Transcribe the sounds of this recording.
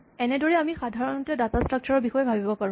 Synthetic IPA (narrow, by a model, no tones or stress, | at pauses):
ɛnɛdɔɹɛamixadʱaɹɔntɛdatastɹak̚t͡ɕʰɔɹɔɹbixɔjɛbʱabibɔpaɹũ